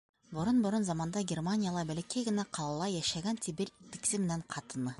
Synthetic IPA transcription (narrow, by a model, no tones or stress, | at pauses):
boɾonbʊɾonzɑmɑnd̪ɑɡʲermanʲijalˠɑbælʲekʲejɡɘnæqʰɑlˠɑlˠɑjːæʃæɡænt̪ʰibɪɾt̪ːi̥ksɪmeneɴqʰɑt̪ɯnɯ